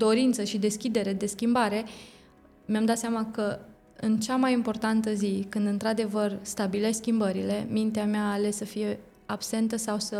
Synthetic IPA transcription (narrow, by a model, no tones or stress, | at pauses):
d̪o̞ɾint̪səʃid̪e̞skʲid̪e̞ɾe̞d̪e̞skʲimbaɾe̞ | meamd̪at̪seamakə | ɨnt͡ʃamajimpo̞rt̪ant̪əzikɨnd̪ɨnt̪ɾad̪e̞vərst̪abile̞sʲskʲimbəɾile̞mint̪eameaːle̞ssəfije̞ | ab̥se̞nt̪əsawsə